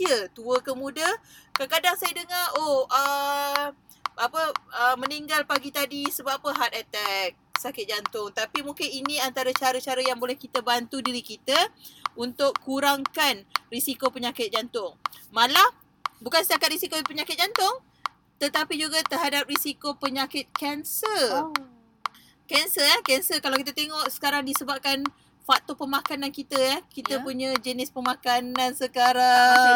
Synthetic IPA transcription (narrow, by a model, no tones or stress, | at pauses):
siət̪uəkəmũdakakadaŋsajədəŋaoʔə | apəəmə̃niŋɡalpaɡit̪adisəbaapəɦat̪̚ɛt̪ɛk̚sakɪt̪̚d͡ʒant̪ʊŋt̪apimũkɪninĩant̪aɾət͡ʃaɾət͡ʃaɾəjaŋbolɛhkit̪əbant̪udiɾikit̪əunt̪ʊkːuɾaŋkanrisikopəɲakɪt̪̚d͡ʒant̪ʊŋmala | bukansət͡ʃakat̪̚risikopəɲakɪt̪̚d͡ʒant̪ʊŋ | t̪ət̪apid͡ʒuɡat̪ərɦadap̚risikopəɲakɪt̪̚kɛnsər | kɛnsəɛhkɛnsərkalawkit̪at̪eŋɔʔsə̥kaɾaŋdisəbap̚kan | fak̚t̪opəmakanankit̪əɛhkit̪əpuɲãd͡ʒənɪspəmãkanansəkaɾa